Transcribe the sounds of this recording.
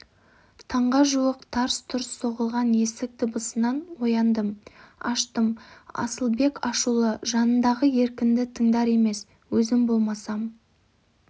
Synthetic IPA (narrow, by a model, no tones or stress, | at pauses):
t̪ʰɑɴʁɑʒuwəqt̪ʰɑɾst̪ʰʊɾəsːo̞ʁəlˠʁɑnje̞sɪk̚t̪ʰəbəsənɑnwo̞jɑnd̪əmɑ̰ʃt̪əmɑ̰səlˠbe̞kɑʃulˠəʒɑnənd̪ɑʁəje̞ɾkʲɪnd̪ɪt̪ʰəŋd̪ɑɾe̞me̞s | wɵzɪmbo̞lˠmɑsɑm